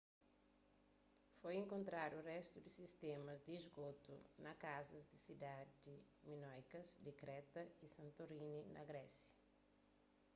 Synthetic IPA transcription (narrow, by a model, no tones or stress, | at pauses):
fojẽŋkõnt̪ɾaɾurɛst̪ud̪isist̪emɐzd̪iːzɡot̪ṵnɐkazɐzd̪isid̪ad͡ʒiminɔjkɐzd̪ikɾɛt̪ɐisɐ̃nt̪oɾininɐ̰ɡɾɛsjɐ̥